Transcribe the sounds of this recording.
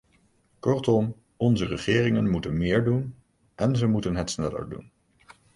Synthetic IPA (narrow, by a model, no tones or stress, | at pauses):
kɔɹtɔm | ɔnzərəχɪːrɪŋənmutənmɪːɹdun | ʔɛnzəmutənɦətsnɛlə̰ɹdṵn